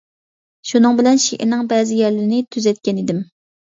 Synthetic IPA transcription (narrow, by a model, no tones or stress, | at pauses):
ʃunɨŋbɪlɛnʃeʔɪ̰ɾnɪŋbɛːzɪjɛɾlɪɾɪnɪt̪ʰyzɛt̪̚kʲɛnid̪ɪm